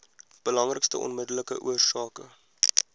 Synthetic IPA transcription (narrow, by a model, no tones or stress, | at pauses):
b̥əlɐŋrəkstə̰ʔɔ̰nmədələkəʔuərsɑːkə